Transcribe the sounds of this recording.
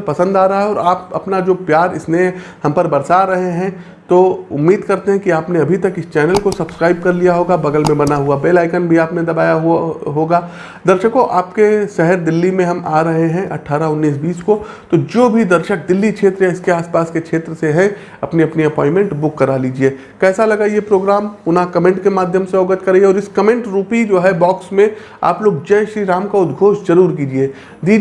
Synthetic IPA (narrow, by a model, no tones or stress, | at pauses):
pɐsə̃nd̪aːɾɐɦaɦɛɔːɾaːpɐ̰pnad͡ʒoːpjaːɾɪsnehɐ̃mpɐɾbɐɾsaɾɐɦeɦɛ̃ | t̪oʊ̰mːiːd̪kɐɾt̪eɦɛ̃kiaːpneɐbʱit̪ɐkɪst͡ʃɛːnəlkosɐbskɾaːɪb̚kɐɾlijaɦoːɡabɐɡəlmẽbɐnaɦuabeːlaːɪkənbʱiaːpnẽd̪ɐbaːjaɦɦoːɡaː | d̪ɐɾʃəkoʔaːpkeʃɛɦəɾd̪ɪlːimẽɦɐmaːɾɐɦeɦɛ̃ʔɐʈʰaːɾaʊnːiːs̬biːsko | t̪od͡ʒoːbʱid̪ɐɾʃək̚d̪ɪlːikʃʰeːt̪ɾjaɪskeaːspaːskekʃʰeːt̪ɾəseɦɛ̃ | ɐpniɐpniɐpɔ̃ːɪ̃nmẽɳʈbʊkːɐɾaliːd͡ʒie | kɛːsalɐɡaijepɾoːɡɾaːmʊnɦãkɐmẽɳʈkemaːd̪ʱjəmseɔːɡət̪kɐɾeɔːɾɪskɐmẽɳʈɾuːpid͡ʒoːɦɛbɔːksmẽ | a̰ːploːɡ̚d͡ʒɛʃɾiːɾaːmkaʊd̪ɡʱoːʃzɐɾuːɾkiːd͡ʒieː | d̪iː